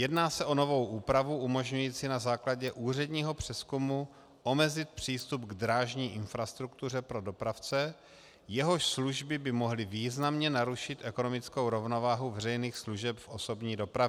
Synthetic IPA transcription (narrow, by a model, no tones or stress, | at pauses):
jɛdnaːsɛʔo̞no̞vo̞wʔuːpɾavuʔumo̞ʒɲujiːt͡sinazaːklaɟɛʔuːr̝ɛd̪ɲiːɦo̞pr̝̥ɛskumu | ʔo̞mɛzɪt̪̚pr̝̥iːst̪upɡd̪ɾaːʒɲiːʔɪnfɾast̪ɾukt̪ur̝ɛpɾo̞do̞pɾaft͡sɛ | jɛɦo̞ʃsluʒbɪbɪmo̞ɦlɪviːznamɲɛnaɾuʃɪt̪ʔɛko̞no̞mɪt͡skowɾo̞vno̞vaːɦuvɛrɛjniːxsluʒɛpfʔoso̞bɲiːdo̞pɾavɪ